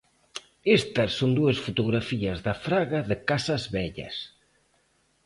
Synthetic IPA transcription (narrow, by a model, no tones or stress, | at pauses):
est̪ɐssond̪uɐsfut̪oɣɾafiɐzðɐfɾaɣɐðɪkasɐzβɛʎɐ̰s